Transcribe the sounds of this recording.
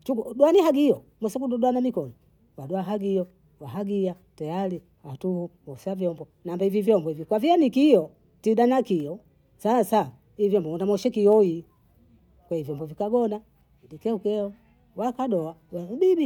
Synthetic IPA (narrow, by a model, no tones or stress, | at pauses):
t͡ʃukuɗwaniɦaɡiɔ | mɔsɛkuɗɔɗwanamikɔnɔ | waɗɔaɦaɡijɔ | waɦaɡia | tajali | watuhuwausavjɔmbɔ | nambaivivjɔmbɔhivikwavianikijɔ | tiɗanakiɔ | sasa | ivjɔmbɔɔndamɔʃɛkiɔi | kwɛivjɔmbɔvikaɡɔna | idikɛukɛɔ | wakaɗɔawaubibi